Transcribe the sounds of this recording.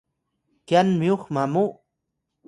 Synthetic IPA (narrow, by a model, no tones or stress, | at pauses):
kjanmioχmamu